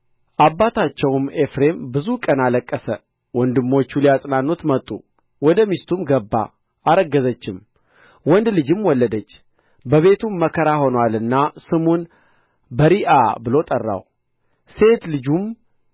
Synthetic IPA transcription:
ʔabːat̪ʰat͡ʃːɛwme̞fɾe̞mbɨzukʼənaləkʼːəsə | wɔnd̪ɨmːo̞t͡ʃːuliasʼnanːot̪mət̪ʼːṵ | wɔd̪əmist̪ʰumɡəbːa̰ | ʔaɾəɡːəzət͡ʃːɪm | wɔnd̪lɨd͡ʒɨmwɔlːəd̪ət͡ʃː | bəβe̞t̪ʰumːəkʰəɾaho̞nwalɨnːasɨmon | bəɾiʔa̰bɨlo̞t̪ʼərːa̰w | se̞t̪lɨd͡ʒum

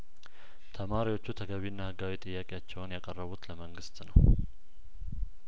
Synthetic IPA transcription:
t̪ʰəmaɾiwo̞t͡ʃːut̪ʰəɡəβinːahɨɡawit̪ʼɨjːakʼejat͡ʃːɛwʊnjakʼərːəβut̪ləməŋɡɨst̪nəw

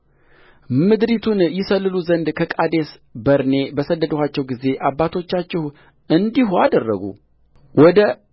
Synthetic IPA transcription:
mɨd̪ɾit̪ʰunjɪsəlːɨluzənd̪kʰəkʼad̪e̞s | bəɾne̞bəsəd̪ːəd̪əhat͡ʃːɛwɡize̞ʔabːat̪ʰo̞t͡ʃːat͡ʃːɪh | ɨnd̪ihuad̪ərːə̰ɡṵ | wɔd̪ə

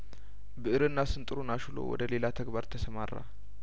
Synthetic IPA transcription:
bɨʔɨɾɨnːasɨnt̪ʼɨɾunaʃulo̰wɔ̰d̪əle̞lat̪ʰəɡbaɾt̪ʰəsəmarːa̰

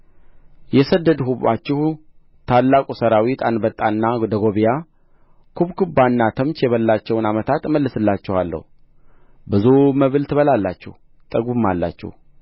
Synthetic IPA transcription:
jɛsəd̪ːəd̪huβa̰t͡ʃːɪhu | t̪ʰalːakʼusəɾawit̪ʰanbət̪ʼːanːad̪əɡo̞βija | kʰuβkʰɨbːanːat̪ʰəmt͡ʃjɛβəlːat͡ʃːɛwnamət̪ʰat̪məlːɨsɨlːat͡ʃːɪhalːə̰hu | bɨzuməβɨlt̪ʰɨβəlalːat͡ʃːɛ̰h | t̪ʼəɡumːalːa̰t͡ʃːɛ̰h

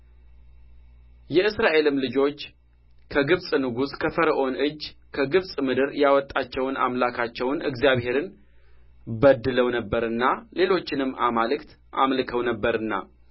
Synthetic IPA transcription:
jɛɨsɾaʔe̞lɨmlɨd͡ʒo̞t͡ʃː | kʰəɡɨβsʼnɨɡuskʰəfəɾəʔo̞nʔɨd͡ʒːkʰəɡɨβsʼmɨd̪ɨɾjawɔt̪ʼːat͡ʃːɛwna̰mlakʰat͡ʃːɛwnɨ̰ɡzijaβhe̞ɾɨn | bəd̪ːɨləwnəbːəɾɨnːale̞lo̞t͡ʃːɪnɨmːʔamalɨkt̪ʔamlɨkʰəwnəbːəɾɨnːa̰

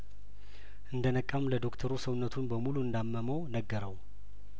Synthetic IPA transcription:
ʔɨnd̪ənəkʼːamləd̪o̞kt̪ʰəɾusəwnːət̪ʰunbəmuluɨnd̪amːəməwnəɡːəɾəw

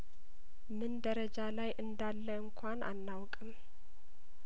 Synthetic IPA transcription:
mɨnd̪əɾəd͡ʒalajʔɨnd̪alːəɨŋkʷʰanʔa̰nːawkʼɨm

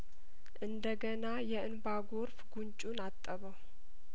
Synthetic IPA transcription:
ʔɨnd̪əɡənajɛɨnbaɡoɾfɡunt͡ʃʼunat̪ʼːəβəw

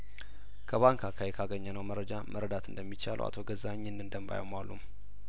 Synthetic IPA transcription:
kʰəβaŋkʰakʰajɛkʰaɡəɲːənəwməɾːəd͡ʒamʔəɾəd̪at̪ʰɨnd̪əmːit͡ʃal̰ʔa̰t̪ʰo̞ɡəzaɲːɛnːɨnd̪əmba̰ja̰wmalːṵm

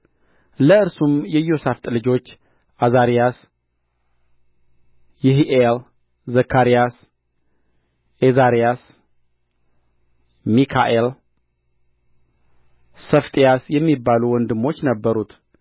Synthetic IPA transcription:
ləɨɾsumjɛjo̞saft̪ʼlɨd͡ʒo̞t͡ʃː | ʔazaɾijas | jɪɦiʔel | zəkʰːaɾijas | ʔezaɾijas | mikʰa̰ʔel | səft̪ʼijasjɛmːibːaluwɔnd̪ɨmːo̞t͡ʃːnəbːəɾut̪

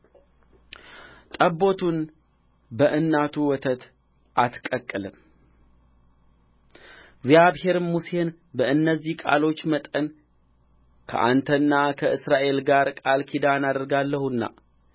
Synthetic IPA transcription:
t̪ʼəbːo̞t̪ʰun | bəʔɨnːat̪ʰuwɔt̪ʰət̪ | ʔat̪kʼəkʼːəlɨm | ɡzijaβhe̞ɾmuse̞n | bəɨnːəzːihkʼa̰lo̞t͡ʃːmət̪ʼən | kʰə̰ʔa̰nt̪ʰənːakʰəʔɨsɾaʔe̞lɡaɾkʼalkʰid̪anad̪əɾɡalːəhunːa̰

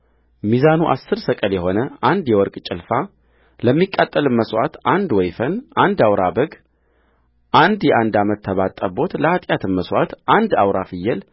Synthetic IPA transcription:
mizanuʔa̰sːɨɾsəkʼəljɛho̞nəʔand̪jɛwɔɾkʼt͡ʃʼɪlfa | ləmːikʼːat̪ʼːəlɨmməswat̪ʔand̪wɔjfənʔand̪awɾabəɡ | ʔand̪jɛʔand̪amət̪ʰːəβat̪ʼːəbo̞t̪ləat̪ʼjat̪ʰɨmːəswat̪ʔand̪awɾafɨjːɛl

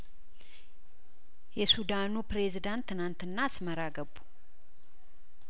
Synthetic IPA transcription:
jɛsud̪anupɾe̞zid̪ant̪ʰːɨnant̪ɨnːaːsməɾaɡəbːu̥

